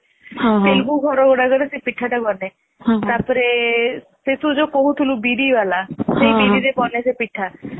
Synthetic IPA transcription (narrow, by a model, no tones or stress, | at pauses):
ɦãp̪elbuɡʱɔɾɔɡɔɽaɡɔɾesepiʈʰːaʈabɔnẽ | t̪aɾpɔɾe | set̪ʰud͡ʒokoɦut̪ʰulubiɾibalasejbiiɾepɔnesepiʈʰːa